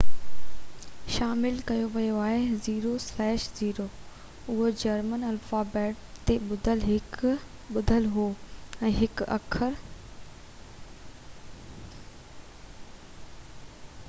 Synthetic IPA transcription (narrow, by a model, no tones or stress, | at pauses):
ʃaːmɪlkɐjoʋɐjoaːɦeziːɾoslɛːʃziːɾoː | ʊɦod͡ʑɐɾmənɐlfaːbɛːʈ̚t̪eɓʊd̪ʱəlɦɪk | ɓʊd̪ʱəlɦoːɛ̃ːɦɪkɐ̰kʰəɾ